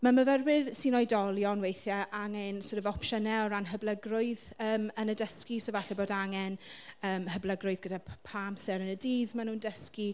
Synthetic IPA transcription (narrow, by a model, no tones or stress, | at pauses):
maməvərwɪrsinɔjdɔlˠjɔnwejθjaʔaŋɛnsoːɾəvɔpʃənɛɔɾanɦəbləɡrʊɨðəːmənədəskisovaɬɛboːdaŋɛnəːmhəblˠəɡrʊɨðɡədapʰamsɛɾənədiːðmanuːndəski